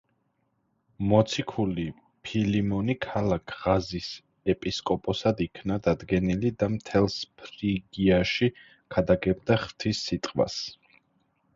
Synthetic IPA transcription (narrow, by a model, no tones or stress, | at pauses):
mɔt̪sʰikʰuli | pʰilimɔnikʰalakʰʁazis | ɛpʼiskʼɔpʼɔsad̪ikʰnad̪ad̪ɡɛnilid̪amt̪ʰɛlˠspʰɾiɡiaʃi | kʰad̪aɡɛb̚d̪aχt̪ʰisːit̪ʼqʼwa̰s